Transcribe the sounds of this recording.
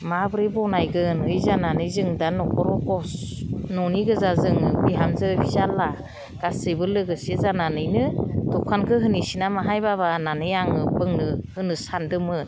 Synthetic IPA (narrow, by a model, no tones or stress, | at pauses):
mabɯɾibɔnajɡɯnɯjzananɯjzɯŋdanɔkʰɔɾɔɡɔsnɔniɡɯzazɯŋɯbiɦamzɯbisalːa | ɡ̥asɯbɯlːɯɡɯsizananɯjnɯtɔkʰankʰɯɦɯnisinamaɦajbaβananɯjaŋɯbɯŋnɯhɯnɯsandɯmɯn